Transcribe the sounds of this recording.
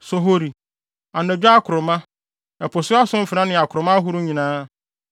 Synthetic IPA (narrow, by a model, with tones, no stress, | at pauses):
sɔ˨ɦo˦ɾi˨ | a˨nɛ̃˨d͡ʑᶣa˦kʰʊ˨ɾʊ˨mã˦ | ɛ˨pʰɔ˨sʊ˦a˦sʊ̃˦m̩˦fɪ˨ɾã˦nɪ̃˨a˨kʰʊ˨ɾʊ˨mã˦ɦʊ˦ɾʊ˦ɲĩ˨nãː˦